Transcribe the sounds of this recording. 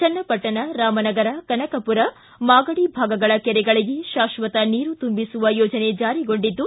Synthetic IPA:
t͡ʃɐnːɐpɐʈːɐnɐɾaːmɐnɐɡɐɾɐkɐnɐkɐpuɾɐ | maːɡɐɽibʱaːɡɐɡɐɭɐkɛɾɛɡɐɭiɡeʃaːʃʋɐt̪ɐniːɾut̪umbisuʋɐjɔːd͡ʒɐne̞d͡ʒaːɾiɡoɳɖid̪ːu

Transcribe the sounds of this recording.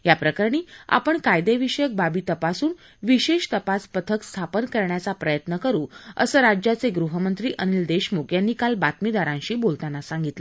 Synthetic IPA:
japɾəkəɾɳ̃iːa̰pəɳkajd̪eʋiɕəjək̚babiːt̪əpasuːn | ʋiɕeɕt̪əpaspət̪ʰəkst̪ʰapənkəɾɳjat͡sapɾəjət̪nəkəɾũːə̰səːɾad͡ʑjat͡seɡɾuɦəmənt̪ɾiːʔənild̪eɕmokjanːiːkalbat̪mid̪aɾãnɕiːbolt̪anasaŋɡit̪lə

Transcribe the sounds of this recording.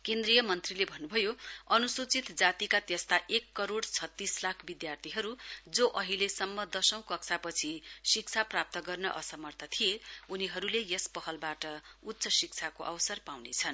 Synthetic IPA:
kend̪rijʌmʌnt̪rilebʱʌnːubʱʌjoʌnusut͡sit̪d͡zat̪ikat̪jʌst̪aʔekːʌɾoɽt͡sʰʌt̪ːislakʰbid̪jart̪ʰiɦʌɾud͡zoʔʌɦilesʌmːʌd̪ʌsʌ̃w̃kʌk̚t͡sʰapʌt͡sʰisik̚t͡sʰaprap̚t̪ʌɡʌrnʌʔʌsʌmʌrt̪ʰʌt̪ʰijeuniɦʌɾulejʌspʌɦʌlbaʈʌut̪ːsʌsik̚t͡sʰakoʔʌwsʌrpawnet͡sʰʌn

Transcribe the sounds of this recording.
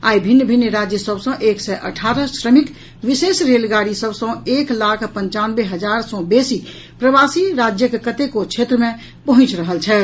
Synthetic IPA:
aibʱinːəbʱinːɾad͡ʒjəsəbsə̃ʔeksɛʔə̰ʈʰaɾəsɾəmik | ʋisesɾelɡaɾisəbsə̃eklakʰpə̃ɲt͡ʃanbeɦəd͡ʒaɾsɔ̃besi | pɾəbasiɾad͡ʒjəkekət̪ekot͡ʃʰet̪ɾəmẽ | pəɦũt͡ʃɾəɦəlt͡ʃʰɛ

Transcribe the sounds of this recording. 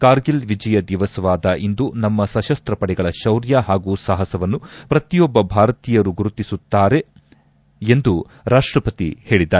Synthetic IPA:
kaːɾɡilʋid͡ʒɐjɐd̪iʋɐsɐʋaːd̪ɐʔind̪unɐmːɐsɐʃɐst̪ɾɐpɐɽɛɡɐɭɐʃɐwɾjaːɦaːɡuːsaːɦɐsɐʋɐnːupɾɐt̪ijɔbːɐbʱaːɾɐt̪iːjɐɾuɡuɾut̪isut̪ːaːɾe̞ | end̪u | ɾaːʂʈɾɐpɐt̪ḭhe̞ːɭid̪aːe

